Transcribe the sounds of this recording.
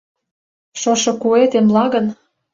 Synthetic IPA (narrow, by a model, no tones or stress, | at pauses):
ʃoʃɤ̆kuet̪emlɑɣə̆n